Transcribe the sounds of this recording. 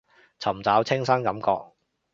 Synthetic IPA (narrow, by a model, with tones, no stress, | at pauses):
t͡sʰɐ˨˩mt͡saː˨˥wt͡sʰɪ˥ŋsɐ˥nkɐ˨˥mkɔ̰ː˧k̚